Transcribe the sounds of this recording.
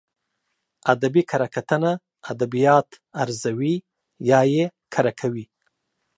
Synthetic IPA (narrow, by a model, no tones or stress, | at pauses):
ad̪abikʰaɾakat̪əna | ad̪abijɑt̪ | aɾzawi | jɑjekʰaɾakʰawi